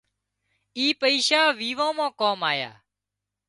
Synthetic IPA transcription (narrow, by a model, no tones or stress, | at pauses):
iːpəiʃaːʋiːʋãːmãːkoːmaːja̰ː